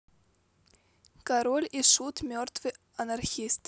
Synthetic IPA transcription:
kaɾolʲiʂut̪mʲørt̪vɨ | ɐnarxʲist̪

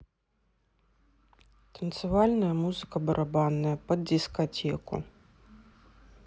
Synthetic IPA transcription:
t̪ʰɐnt̪sɨvalʲnɐjɐmuzɨkɐbɐɾʔabanːɐjɐpɐd̪̚dʲiskat͡sʲɛkṵ

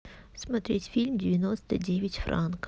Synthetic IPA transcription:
smɐt̪ɾʲetʲfʲilʲmdʲɪvʲɪnost̪ədʲevʲɪtʲfɾʔa̰nk

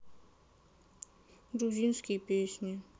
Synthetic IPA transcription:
ɾud͡ʒinskipeːʃne

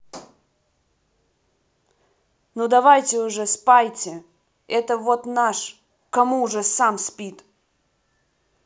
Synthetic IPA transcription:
nud̪ɐvajtʲɪʊʐɛspajtʲɪ | ɛt̪əvot̪naʂ | kɐmuːʐɛsamspʲit̪

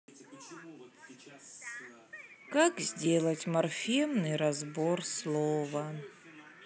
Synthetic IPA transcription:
kakzʲdʲelˠətʲmɐrfʲimnɨjɾɐzborslˠovə

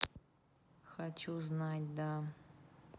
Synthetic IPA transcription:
xat͡ɕuznatʲd̪a

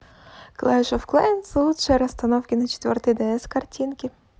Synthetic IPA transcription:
klˠɛʃɔwklˠɛnsˠut̪ʃɛɾɐst̪ɐnɔwkʲɪnɐt͡ʃɪ̥t̪ʲʋʲɔ̰rt̪ɪd̪ɛɛskɐrtʲinkʲi

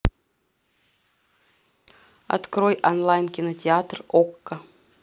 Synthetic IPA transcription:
ɐ̰t̪kɾojʔɐnlˠajnkʲɪnətʲɪat̪rokːə

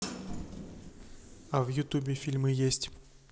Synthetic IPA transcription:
avjʊt̪ubʲɪfʲilʲmɨjesʲtʲ

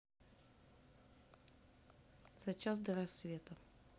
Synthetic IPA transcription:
sɐt͡ɕːazd̪əɾɐsvʲet̪ə

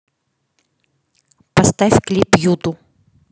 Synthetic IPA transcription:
pɐst̪afʲklʲipjut̪ʊ

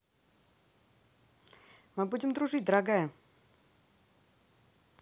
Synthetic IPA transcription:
mɨbudʲɪmd̪ɾʊʐɨt̚ʲd̪əɾaɡajə

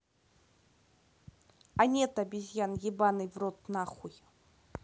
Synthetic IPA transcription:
anʲɛt̪abʲizʲjanjibanɨvrot̪naχuj

